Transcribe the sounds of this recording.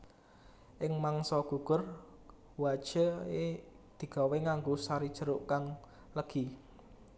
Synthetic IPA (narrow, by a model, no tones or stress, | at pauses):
ʔɪŋmaŋsɔɡ̥ṳɡ̥ər | wad̥ʒ̥əe | d̪̥i̤ɡ̥a̤weŋaŋɡosaɾid̥ʒ̥əɾʊʔkaŋ | ləɡ̥i